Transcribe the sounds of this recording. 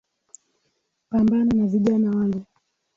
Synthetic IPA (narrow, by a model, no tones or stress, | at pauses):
pambanɔnaviʄanawaŋɡɛ